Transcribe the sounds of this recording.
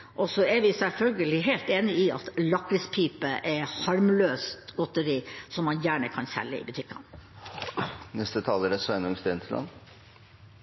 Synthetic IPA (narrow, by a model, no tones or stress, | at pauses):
ʔɔsɔɛʋɪsɛlfœlɡəlɪɦeːlt̪eːnɪɪɑ̰t̪lɑkɾəspʰiːpəʔɛhɑɾmløːst̪ɡɔt̪əɾiːsɔmːɑnjæːɳəkʰɑnsɛ̰lːə̰ɪ̰bʉt̪ʰɪkːɑ̰n | nɛst̪ət̪ʰɑːləɾəsʋɛnɔmst̪ent̪ʰɪlɑ̰n